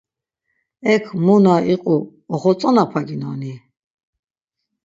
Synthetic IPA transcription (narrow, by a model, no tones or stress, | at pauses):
ɛkʰmunaʔiqʼuː | χɔt͡sʼɔnapʰaɡinɔ̰ni